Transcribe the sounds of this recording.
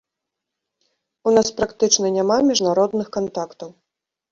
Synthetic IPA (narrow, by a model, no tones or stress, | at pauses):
unaspɾakt̪ɨt͡ʂnɐnʲamamʲiʐnaɾɔd̪nɨxkant̪akt̪ɐw